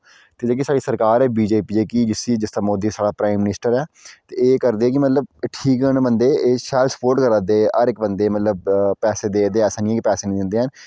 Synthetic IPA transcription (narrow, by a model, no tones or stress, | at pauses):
t̪eːd͡ʒeːk̬isaːɖiːsəɾkaːɾɛːbiːd͡ʒeːpiːd͡ʒeːkiːd͡ʒɪsiːd͡ʒɪst̪aːmoːd̪iːsaːɽaːpɾaːɪmːɪnɪsʈəɾɛːt̪eːeːkəɾd̪eːɛːk̬ɪmət̪ləbʈʰiːk̚ɡənbənd̪eːeːʃɛːlsə̥poːɾʈkəɾãːd̪eːəɾɪk̚bənd̪eːmət̪ləb̚pɛːseːd̪eːd̪eːɛːsãːnĩɛːkipɛːseːnĩːd̪ɪnd̪eːɦən